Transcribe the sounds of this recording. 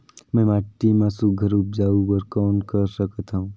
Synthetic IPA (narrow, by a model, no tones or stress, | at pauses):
mɛ̃maʈːimãsuɡʱəɾuːp̚d͡ʒaːuʋəɾkɔːnkəɾʃəkət̪ɦaũː